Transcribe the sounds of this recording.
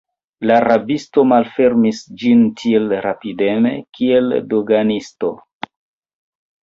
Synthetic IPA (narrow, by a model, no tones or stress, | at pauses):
laɾabisto̞malfe̞ɾmisd͡ʒintʰielɾapide̞me̞̰kieldoɡanisto̞